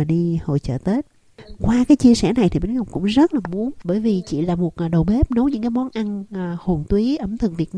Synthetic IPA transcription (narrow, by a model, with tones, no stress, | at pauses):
ɗi˧ho̰˧˨jt͡ɕə̰ː˧˩t̪e˦˥t̚ | kwaː˧kaː˨˦jt͡ɕi˧əsɛ̰˧˩na˨˩jt̪ʰi˨˩ɓe˨˦nɣə˨˩wŋ͡mkʊ̰˧˥ŋ͡mzə˦˥t̚laː˨˩mu˨˦ənɓəː˧˩jvi˨˩t͡ɕḭ˧˨laː˨˩mo˨˩t̚ʔɗə˨˩wɓe˦˥p̚no˨˦wɲɨ̰˧˥ŋkaː˨˦jmɔ˨˦nʔa˧nː˨ho˨˩nt̪wi˨˦ʔə˧˩mt̪ʰɨ˨˧˨ŋvi˨˩ət̚n˧